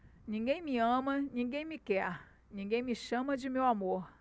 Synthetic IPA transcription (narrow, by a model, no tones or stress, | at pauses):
nĩŋɡẽj̃miɐ̃mɐnĩɡẽj̃mɪkɛɾ | nĩŋɡẽj̃miʃɐ̃mɐd͡ʒɪmewamoɾ